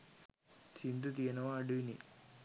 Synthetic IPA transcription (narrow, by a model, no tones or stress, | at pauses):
t͡ʃind̪ut̪̬iɐnɐʋaːɖuinḭ